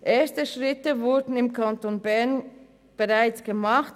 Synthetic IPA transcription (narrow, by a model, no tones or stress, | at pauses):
ʔeːɐstəʃʁɪtəvʊɐdn̩ɪmkʰantonbɛɐn | b̥əʁaɪt͡sɡ̥əmɑχt